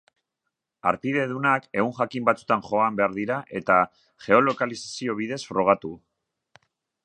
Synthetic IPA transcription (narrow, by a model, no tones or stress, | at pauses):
a̰ɾpiðe̞ðunake̞uŋʝakimbat͡sut̪anʝo̞ambe̞aɾðiɾaʔe̞t̪a | ʝe̞o̞lo̞kalisasio̞β̞iðe̞sfɾo̞ɣ̞at̪u